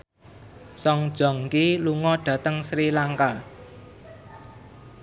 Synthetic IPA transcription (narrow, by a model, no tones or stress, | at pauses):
sɔŋd̥ʒ̥ɔ̤ŋkiluŋɔɖ̥ä̤t̪əŋsɾilaŋka